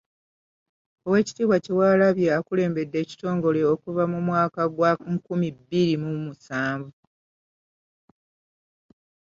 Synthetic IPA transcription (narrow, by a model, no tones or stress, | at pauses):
owe̞ːci̥tiːβwacewaːlaβje̞akule̞ːmbe̞dːe̞ːci̥to̞ːŋɡo̞le̞okuvamumwaːkaɡwakumibːiɾimumusaːɱvu